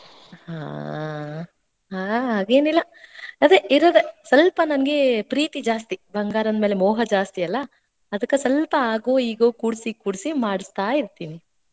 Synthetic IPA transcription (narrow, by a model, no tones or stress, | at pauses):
ha̰ː | ɦaːɦaːɡe̞ːnilːɐ | ɐd̪eiɾoːd̪esɐlpɐnɐnɡe̞pɾiːt̪id͡ʒaːst̪ibʱɐŋɡaːɾɐnmeːle̞mɔːɦɐd͡ʒaːst̪iɐlːɐ | ɐd̪ɐkːesɐlpɐaːɡoːiːɡoːkuːɽsikuːɽsimaːɽist̪aːiɾt̪iːni